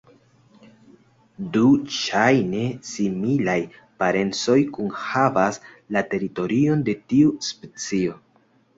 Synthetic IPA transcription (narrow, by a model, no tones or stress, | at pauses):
duʃajne̞similaj | paɾe̞nt͡so̞jkunhavas | late̞ɾito̞ɾio̞nde̞tiuspe̞t͡sio̞